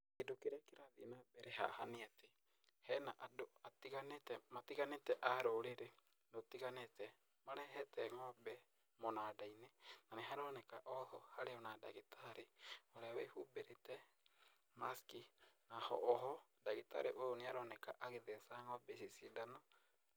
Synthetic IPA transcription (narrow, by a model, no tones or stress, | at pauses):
kedokeɾeakeɾaðinabɛɾeɦa̰haniate | hɛnaʔadoatiɣanetɛmatiɣanetɛʔaɾoɾeɾe | notiɣanetɛ | maɾɛɦɛtɛŋɔbɛ | monadainenaneɦaɾɔnekaʔɔhɔhaɾeɔnada̰ɣitʰaɾeoɾawɛhubeɾetɛ | maskinahɔ̰ʔːɦɔdaɣita̰ɾeʔooneaɾɔnekaʔaɣeðesaŋɔbɛsisidanɔ